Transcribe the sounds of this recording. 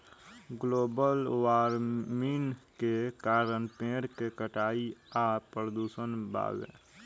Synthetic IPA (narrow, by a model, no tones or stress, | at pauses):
ɡloːbəlʋaːɾminkekaːɾənpẽːɾkekəʈaːiaːpɾəd̪uːʃənba̰ːɡḛː